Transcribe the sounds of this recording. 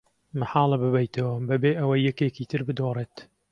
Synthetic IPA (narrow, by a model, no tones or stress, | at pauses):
mɨħɑːlˠɨbɨbɐjt̪ʰɐwɐbɐbeːʔɐwɐjːɛkeːkiːt̪ʰɨɾbɨd̪oreːt̪